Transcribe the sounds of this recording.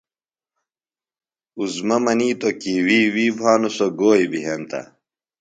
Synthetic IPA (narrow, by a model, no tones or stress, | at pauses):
uzmɐmɐniːt̪okiwiːwiːbʱaːnusoɡoːibiɦent̪ɐ̰